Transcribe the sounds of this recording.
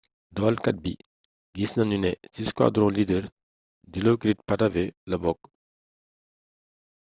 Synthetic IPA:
d̪awalkat̪̚bi | jisnanynɛsiskwa̰d̪ɾɔ̃lid̪əɾ | d̪ilokɾit̪̚pataveləbɔk

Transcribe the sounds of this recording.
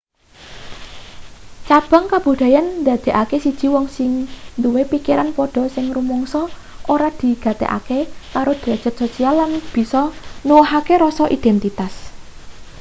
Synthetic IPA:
t͡ʃab̥a̤ŋkab̥ṳd̪̥a̤jand̪a̤d̪̥e̤ʔakesid̥ʒ̥i̤wɔŋsɪŋnd̪uwepikiɾanpɔɖ̥ɔ̤sɪŋrumɔŋsɔ | ʔoɾad̪̥i̤ɡ̥ä̤t̪ḛʔa̰kekaɾod̪̥ɾḁd͡ʒ̥ə̤t̪̚sosialːanb̥i̤sɔnuwɔɦakeɾɔsɔʔid̪̥ɛnt̪it̪as

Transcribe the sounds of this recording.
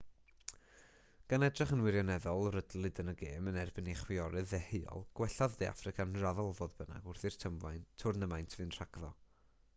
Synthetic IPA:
ɡ̥anɛdrɪχənwɪɾjɔnɛðɔlˠrədl̩ˠɨdənəɡeːmənɛrbɪniχwɪɔɾɨðɛhejɔ̰lˠɡ̥wɛɬaðdea̰frɨkʰanraðɔlˠvoːðbəna̰ɡʊrθɨr̥tʰəmvajntʰʊrnəmajntʰvɨnr̥aɡðɔ̰

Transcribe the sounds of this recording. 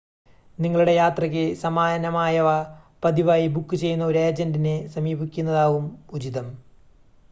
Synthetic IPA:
niŋːɐɭuɽe̞jaːt̪rɐk̬ʲːɨsɐmaːnɐmaːjɐʋapɐd̪iʋaːjibukːɨt͡ɕe̞jːunːɐoɾe̞ːd͡ʑɐndinesɐmiːbikʲːunːɐðaːʋumud͡ʑiðɐm

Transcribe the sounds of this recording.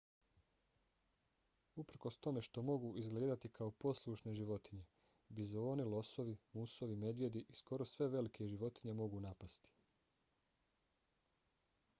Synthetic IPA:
upɾ̩ko̞st̪o̞me̞ʃt̪o̞mo̞ɡuʔizɡle̞ːd̪at̪ikʰaopo̞slˠuʃne̞ʒiʋo̞t̪iɲe̞ | bizo̞ːnilo̞so̞ʋimuso̞ʋime̞d̪ʋje̞d̪iʔisko̞ɾo̞sʋe̞ʋe̞likʰe̞ʒiʋo̞t̪iɲe̞mo̞ɡunapast̪i̥

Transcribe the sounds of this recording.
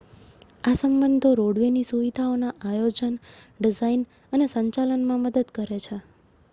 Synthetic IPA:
asəmbənd̪ʱoɾoɽʋenisuʋid̪ʱaonaʔajod͡ʒənɖid͡ʒain | ənesəɲt͡ʃalənmãməd̪əd̪kəɾet͡ʃʰe

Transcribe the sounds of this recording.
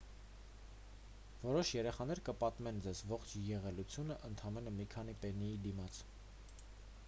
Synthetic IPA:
vɔɾɔʃjɛɾɛχɑn̪ɛɾkəpɑt̪mɛnd͡zɛzvɔχt͡ʃʰjɛʁɛlut͡sʰjunəʔənt̪ʰɑmɛnəmikʰɑn̪ipɛnijid̪imɑt͡sʰ

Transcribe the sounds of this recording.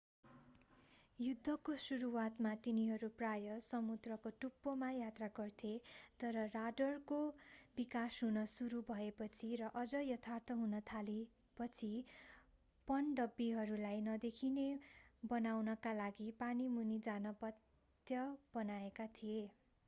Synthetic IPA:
jud̪ʱːʌkosuɾuwat̪mat̪iniɦʌɾuprajʌsʌmud̪rʌkoʈupːomajat̪raɡʌrt̪ʰet̪ʌɾʌraɖʌrkobikasɦunʌsuɾubʱʌepʌt͡sʰirʌʔʌd͡zʌjʌt̪ʰart̪ʰʌɦunʌt̪ʰale | pʌt͡sʰi | pʌnɖʌbːiɦʌɾulajnʌd̪ekʰinebʌnawnʌkalaɡipanimunid͡zanʌpʌt̪ | jʌb̥ʌnaekat̪ʰije

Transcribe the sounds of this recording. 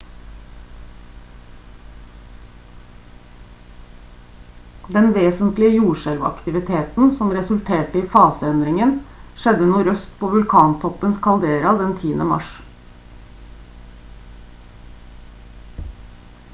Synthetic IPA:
d̪ɛnʋeːsənt̪lɪəjuːʃɛlʋɑ̰kt̪ɪʋɪt̪ʰeːt̪n̩sɔmɾɛsʉlt̪ʰeːʈəiːfɑːsəɛnd̪ɾɪŋənʃɛd̪ənuːɾœst̪pʰoːʋʉlkʰɑːnt̪ʰɔpənskʰɑld̪eːɾɑd̪ɛnt̪ʰiːənəmɑ̰ʃ

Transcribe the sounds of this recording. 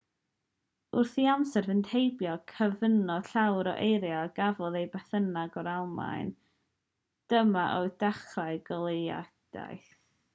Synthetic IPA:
ʊrθiamsɛrvəntʰejbjɔkʰəvənɔ̥ɬawɾɔʔejɾjaɡavɔðejbɛθənaɡɔɾalˠma̰ɨn | d̥əmaʔɔɨdaχraɨɡɔlˠea̰d̥a̰jθθ

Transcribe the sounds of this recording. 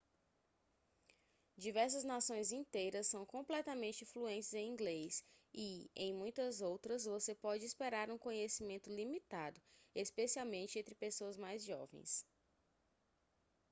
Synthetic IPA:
d͡ʒivɛɾs̬ɐznasõj̃zĩnt̪ejɾɐsːɐ̃w̃kõmplɛt̪ɐmẽnt͡ʃɪfluẽnt͡ʃɪzẽj̃ĩɡlejsɪḛ̃j̃mũj̃t̪ɐzowt̪ɾɐzvosepɔd͡ʒɪispeɾaɾũkõɲesimẽnt̪ʊlimit̪ad̪ʊespesiawmẽnt͡ʃɪẽnt̪ɾɪpesoɐzmajzʒɔ̰vḛ̃j̃s

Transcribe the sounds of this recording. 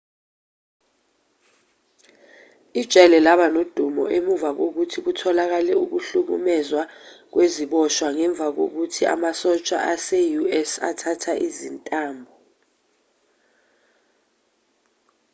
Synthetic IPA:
id̥ʒ̥ʱʼɛlɛlaɓanod̥ʱumɔ̰ʔemuvak̬ok̬utʰik̬utʰɔlak̬alɛuk̬uɬuk̬ṵmɛzwak̬weziɓɔʃwaŋɛɱb̪vʱak̬o̰k̬utʰia̰masɔt͡ʃʼa̰ʔasejuɛsa̰tʰatʰaʔizintʼaːmbʱɔ

